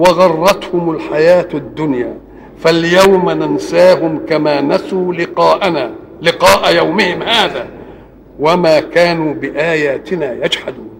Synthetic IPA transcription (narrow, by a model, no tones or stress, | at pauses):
wɑɣɑrˤːɑt̪hʊmalħajaːt̪ad̪ːʊnjaː | faljawmanansaːɦʊmkamaːnasuːlɪːʔnaː | lɪqɑːʔajawmɪhɪmhaːðaː | wamaːkaːnuːbɪʔaːjaːt̪ɪnaːjad͡ʒħad̪uː